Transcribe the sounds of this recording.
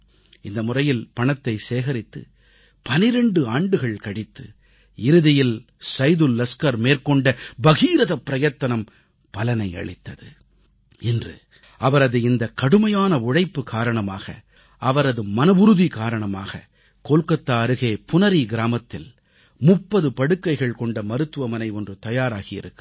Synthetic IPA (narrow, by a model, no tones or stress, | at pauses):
ɪnd̪ɐmʊrɐjɪlpɐɳɐt̪ːɐɪseːɣɐɾɪt̪ːɯ̰ | pɐnɪɾɛɳɖɯaːɳɖɯɣɐɭkɐɽɪt̪ːɯ̰ | ɪɾɯðɪjɪl | sɐɪðɯlːɐskɐɾmeːrkɔɳɖɐbɐɣiːɾɐðɐpːɪɾɐjɐt̪ːɐnɐm | pɐlɐnɐɪɐ̰ɭɪt̪ːɐðɯ | ɪndrɯ̰ | ʔɐʋɐɾɐðɯɪnd̪ɐkɐɽɯmɐjaːnɐʊɻɐɪpːɯkaːɾɐɳɐma̰ːɣɐ̰ | ɐʋɐɾɐðɯmɐnɐʋʊɾɯðikaːɾɐɳɐma̰ːɣɐ̰ | koːlkɐt̪ːaːɐɾɯɣeːpʊnɐɾiɡɪɾaːmɐt̪ːɪl | mʊpːɐðɯpɐɽɯkːɐɪɣɐɭkɔɳɖɐmɐɾɯt̪ːɯʋɐmɐnɐɪɔndrɯt̪ɐjaːɾaːɣɪjɪ̰ɾɯkːɯ